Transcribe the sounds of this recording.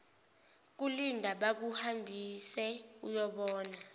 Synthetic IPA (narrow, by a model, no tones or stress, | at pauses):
k̬ulindʱaɓak̬uhambʱisɛujɔɓɔːna